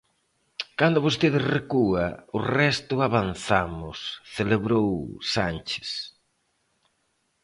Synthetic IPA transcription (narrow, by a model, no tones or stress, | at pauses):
kand̪ʊβost̪eðɪsrekuɐʊrɛst̪ʊaβanθamʊ̰sθeleβɾowsant͡ʃɪ̥s